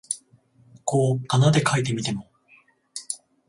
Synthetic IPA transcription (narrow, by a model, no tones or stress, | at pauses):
koːkanad̪e̞kʰait̪e̞mʲit̪e̞mo̞